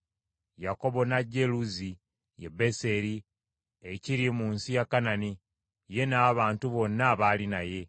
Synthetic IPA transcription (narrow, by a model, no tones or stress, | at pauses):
jako̞βo̞naɟe̞luzi | jḛbe̞se̞ɾi | eciɾimuːnsijakːanani | je̞naːβaːntuβo̞nːaβaːlinaje̞